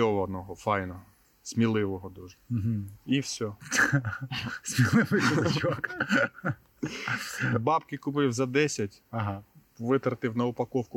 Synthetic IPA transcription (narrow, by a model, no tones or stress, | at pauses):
ɔʋɔːd̪nɔɦɔfɑjnɔɦ | sʲmʲilˠɪʋɔɦɔd̪uʒɛɦ̩iwsʲɔ | smʲilˠɪʋɪsɔk | bɑpkɪkʊpɪwzɐd̪ɛsʲɐtʲɐɦa | ʋɪt̪ɾɐt̪ɪwnɐʊpɐkɔwkʊ